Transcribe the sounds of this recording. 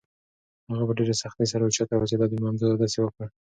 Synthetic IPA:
haɣabaɖeɾesaxt̪es̬aɾaet͡ʃɑt̪awat͡ʃed̪ɑd̪əmamzod̪ad̪ɑsewəkɽə

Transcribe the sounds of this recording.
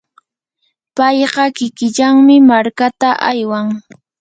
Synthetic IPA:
pɑjɢɑkɪkɪʎaŋmɪmaɾkat̪aʔajwaŋ

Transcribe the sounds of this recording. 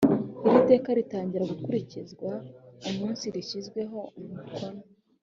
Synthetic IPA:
iɾite̞ːkaɾitaːɲɟiɾaɡukuɾicizɡwaumiːnsiɾiʃizɡwe̞ɦo̞mukʰona

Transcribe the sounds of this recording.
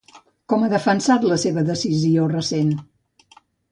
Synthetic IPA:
kɔməðəfənsat̪ləseβəðəsiziorəsen

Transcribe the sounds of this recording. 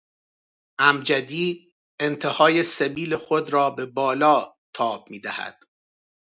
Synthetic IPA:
ʔæmd͡ʒæd̪iː | ent̪ʰe̞hɒːje̞sebiːle̞xod̪ɾɒːbe̞bɒːlɒː | t̪ʰɒːb̥̚miːd̪æhæ̰d̪̥

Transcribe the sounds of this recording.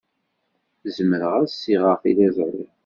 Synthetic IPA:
zəməɾəʁasːiʁəfilæzɾi

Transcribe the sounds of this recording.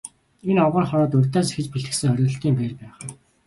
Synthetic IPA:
enɔʁə̆ːrχɔɾɔːt̪ɵrʲt̪aːsexɘ̆t͡ɕpuɮt̪ɘ̆ksɘ̆ŋχœɾʲɵ̆ɬt̪iːmpeːrpæːχ̆

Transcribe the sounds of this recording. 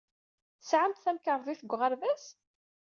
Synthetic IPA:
θəsʕamt̪θæmkəɾˤðˤiθəɡʷːʁəɾvæs

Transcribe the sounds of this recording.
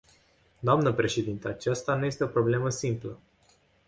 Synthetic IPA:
d̪oamnəpɾe̞ʃe̞d̪int̪əat͡ʃast̪anuje̞st̪eo̞pɾo̞ble̞məsimplə

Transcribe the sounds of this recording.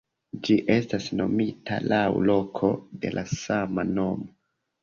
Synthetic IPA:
d͡ʒiʔe̞stasno̞̰mitʰa̰lawlo̞kʰo̞delʔasamano̞mo

